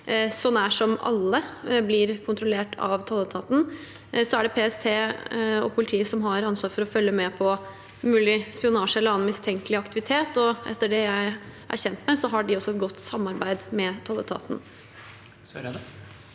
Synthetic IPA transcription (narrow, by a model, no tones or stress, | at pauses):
sɔnːæʂɔmɑ̰lːəblɪɾkʰʊnt̪ɾʊleːʈʰɑ̰ʋt̪ʰɑlət̪ʰɑːt̪n̩ | sɔæɖɛpʰeːɛst̪ʰeːɔ̰pʰʊlɪt̪ʰiːəsɔmɦɑɾɑnsʋɑːɾfɔɾɔfœlːəmɛpʰɔ | mʉːlɪspɪʊnɑːʂəɛlːəɾɑːnmɪst̪ʰɛŋkəlɪɑkt̪ɪʋɪt̪ʰeːt̪ɔʔɛ̰t̪ːəɖɛjæɪʔæ̰ɾçɛnt̪mɛsɔɦɑɖɪɔsːɔɛt̪̚ɡɔt̪ːsɑmːɑɾbæɪd̪mɛt̪ʰɑlət̪ʰɑ̰ːt̪n̩